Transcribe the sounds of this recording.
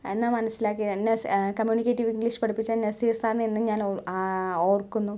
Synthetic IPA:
enːamɐnɐsːilaːk̬ːinːekɐmjuːnikʲːeːtːiʋiŋɡliʂpɐɽipːit͡ɕːanesijesaːrɳenːɨɲaːno | oːrkːunːu

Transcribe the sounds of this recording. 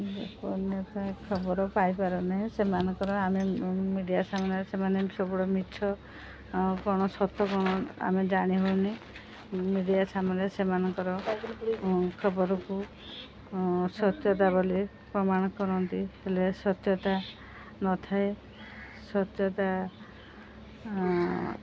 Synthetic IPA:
pɔnjɔt̪ɔekʰɔbɔɾɔpajpaɾɔnaɦĩsemanɔŋkɔɾɔamemiɖijasamɔnesemanesɔbɔɽɔmitʰɔ | kɔɽ̃ɔsɔt̪ʰːɔkɔɽ̃ɔa̰med͡ʒaɽ̃iɦouni | miɖijasamanesemanɔŋkɔɾɔ | kʰɔbɔɾɔku | sɔt̪jɔt̪̬abɔli | pɾɔmaɽ̃ɔkɔɾɔnt̪ihelesɔt̪jɔt̪a | nɔt̪ʰae | sɔt̪jɔt̪a

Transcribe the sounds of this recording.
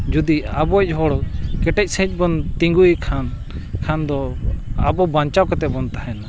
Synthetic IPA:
d͡ʒud̪iabɔc̚ˀɦɔɽkɛʈɛc̚ˀsɛ̃t͡ʃ̚ˀbɔnt̪iŋɡujkʰan | kʰand̪ɔa̰bɔbaɲt͡ʃawkat̪ɛʔbɔnt̪aɦɛna

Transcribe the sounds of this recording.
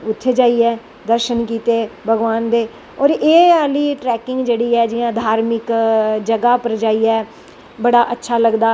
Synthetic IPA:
ʊtʰːeːd͡ʒaːiːɛː | d̪əɾʃənkiːt̪eːbʱəɡʋaːnd̪eː | ɔːɾeːaːliːʈɾɛːkɪŋɡd͡ʒeːɽiːɛːd͡ʒɪjãːd̪ʱaːɾmɪkd͡ʒəɡaːpəɾd͡ʒaːiːɛː | bəɽaːʔətːʃʰaːləɡd̪aː

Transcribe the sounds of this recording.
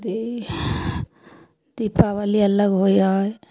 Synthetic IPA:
d̪i | d̪ipawaliələɡɦojɔj

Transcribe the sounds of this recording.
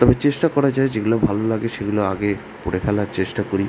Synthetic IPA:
t̪ɔbet͡ɕeʃʈakɔɾad͡ʑaed͡ʑeɡulabʱalolaɡeʃeɡuloaɡe | puɽefʰɛlaɾt͡ɕeʃʈakoɾi

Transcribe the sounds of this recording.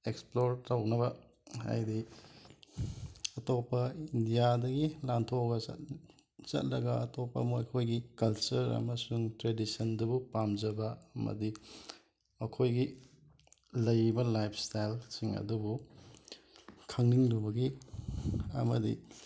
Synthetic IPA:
eksploɾtawnɐβɐ | ha̰jdi | ɐtopːɐindijadɐɡilantʰoɡɐɐ̰t | t͡ʃɐ̰t̚ɾɐɡɐɐtɔpːɐ̰mojkʰojɡikɐlt͡ʃɐɾɐ̰mɐsuŋtɾedisɐndɐbupamzɐbɐɐmɐ̰di | ɐkʰojɡi | lɐjbɐlajpʰstajlsiŋɐ̰dubu | kʰɐŋniŋlubɐɡi | ɐ̰mɐdi

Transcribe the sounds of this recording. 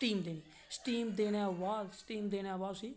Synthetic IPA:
ʈiːmd̪eːniː | sʈiːmd̪eːɽaːʋaːsʈiːmd̪eːɽ̃aːʋaːsiː

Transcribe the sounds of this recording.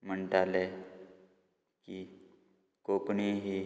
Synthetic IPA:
m̤əɳʈale | ki | kokɳiɦi

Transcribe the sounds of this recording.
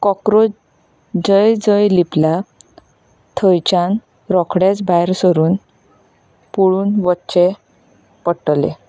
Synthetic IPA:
kɔkɾo | d͡zəjd͡zəjlipla | t̪ʰəjt͡ɕãn | ɾɔkʰɽet͡sbajɾsəɾuːn | puɭuːnʋɔtːɕe | pəʈlḛ

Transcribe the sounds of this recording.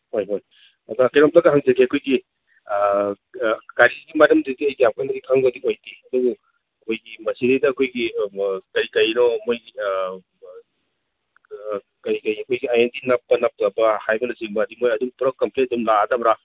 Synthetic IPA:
hojɦoj | ɐdɐkejɾɔmdɐɡɐɦaŋzɐkʰiɐkʰojɡi | kaɾiɡimadɐmdidiɐjɡijamkʰanɐdikʰaŋbɐdiojdiɐduɡu | ɐkʰojɡimɐsidedɐːkʰojɡikɐɾikɐjnɔmoj | kɐɾikɐjɐkʰojɡiajendinɐpːɐnɐp̚ɐbɐhajbɐnɐsiŋbɐdimojɐdumpuɾɐkːɐmpʰletɐdumladɐbɾa

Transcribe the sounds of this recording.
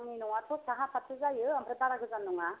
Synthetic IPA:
ninɔŋatʰɔsaɦãpʰat̪ʰɯzajɯampʰɾɯtaɾaɡɯzanːuŋa

